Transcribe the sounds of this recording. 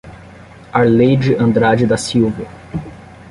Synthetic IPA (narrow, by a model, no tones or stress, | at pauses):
aɾlejd͡ʒɪʔɐ̃nd̪ɾad͡ʒɪd̪ɐsiwvɐ